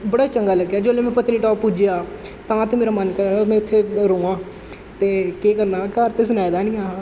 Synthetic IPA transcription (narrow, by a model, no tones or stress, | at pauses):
bəɽaːt͡ʃəŋɡaːləɡːjaːd͡ʒoːlẽːmɛ̃ːpət̪ːniːʈɔːppːuːd͡ʒjaːt̪ãːt̪eːmeːɾaːmənkəɾaːmɛ̃ːʊt̪ʰːeːɾoːãː | t̪eːkeːkəɾnaːkəɾt̪eːs̬ənaːjd̪aːnĩːaː